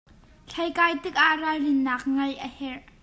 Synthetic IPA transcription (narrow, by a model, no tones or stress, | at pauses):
ɬʰɐjkaːjt̪ɪk̚ʔaʔrarɪnːaːk̚ŋɐjʔəhɛr